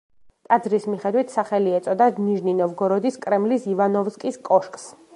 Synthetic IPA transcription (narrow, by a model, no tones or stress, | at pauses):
t̪ʼad̪zɾismiχɛd̪wit̪ʰsaχɛliɛt̪sʼɔd̪aniʒninɔvɡɔɾɔd̪iskʼɾɛmlisivanɔvskʼiskʼɔʃkʼs